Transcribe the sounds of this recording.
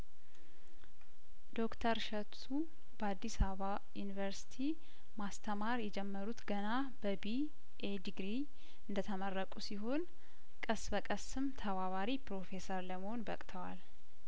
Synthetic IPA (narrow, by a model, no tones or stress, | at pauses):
d̪̥o̞kt̪ʰəɾʃɛtsu | bəad̪ːisaβa | junivəɾsi̥t̪ʰi | mast̪ʰəmaɾjɛd͡ʒɛmːəɾut̪ɡəna | bəbi | ʔed̪iɡɾi | ɨnd̪ət̪ʰəmərːəkʼusiɦo̞n | kʼəsbəkʼəsɨmt̪ʰəβaβaɾipʰɾo̞fe̞səɾləməho̞nbəkʼt̪ʰəwa̰l